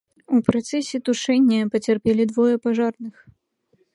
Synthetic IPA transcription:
upɾat̪sɛsʲɛt̪uʂɛnʲːɐpɐt͡sʲarpʲɛlʲid̪vɔjɐpaʐarnɨx

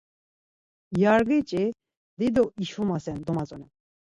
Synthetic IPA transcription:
jaɾɡet͡ɕʼe | d̪id̪oiʃumasɛnd̪omat͡sʼɔnɛ

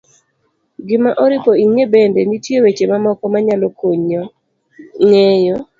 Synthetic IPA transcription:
ɡɪmaʔɔɾɪpoiŋebendenitjewet͡ʃemamɔkɔmaɲalɔkoɲɔ | ŋejɔ

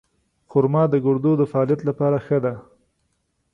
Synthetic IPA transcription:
xʊɾmɑd̪əɡʊɽd̪od̪əfaɑlijat̪lapɑɾaxəd̪a

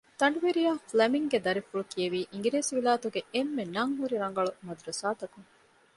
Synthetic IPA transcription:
t̪ɐɳɖuʋeɾijaːflɐmiŋɡed̪ɐɾifuɭukijeʋiːʔiŋ̆ɡiɾeːsiʋiɭaːt̪uɡeemːenɐŋɦuɾiɾɐŋ̆ɡɐɭumɐd̪uɾɐsaːt̪ɐkuŋ

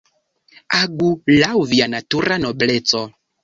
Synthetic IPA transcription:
aɡulawvianatuɾanoblet͡so

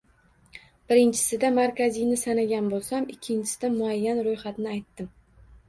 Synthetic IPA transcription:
b̥ɪɾɪnt͡ʃʰɪ̥sɪd̪amaɾkʲazɪjnɪsanaɡʲanbolˠsamɪkʲʰːɪnt͡ʃʰɪ̥sɪd̪amʊajːanɾojχat̪nɪajt̪ːɪm

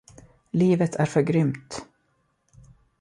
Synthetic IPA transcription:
liːvət̪ʰæɾfœɾɡɾʏmt̪

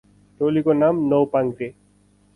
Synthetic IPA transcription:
ʈoːlikonaːmnowpãŋɡt̪e

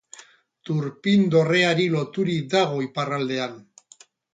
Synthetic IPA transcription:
t̪uɾpind̪o̞re̞aɾilo̞t̪uɾikd̪aɣ̞o̞iparald̪e̞an

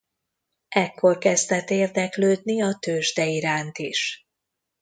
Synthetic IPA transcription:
ʔɛkːo̞rkɛzd̪ɛt̪ːeːrd̪ɛkløːd̪niɒt̪øːʒd̪ɛiɾaːnt̪iʃ

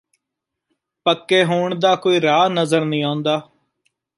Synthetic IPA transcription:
pəkːeːɦoːɳd̪aːkoːiːɾaːnəzəɾnəĩːaːʊ̃nd̪aː

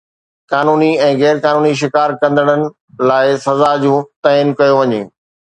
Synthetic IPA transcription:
kaːnuːniɛ̃ːɣɛːɾkaːnuːniʃ̬ɪkaːɾkɐ̃nd̪əɽ̃ənɪ̆ | laːɪsɐzad͡ʑũːt̪ɐɪnkɐjoʋɐɲḛː

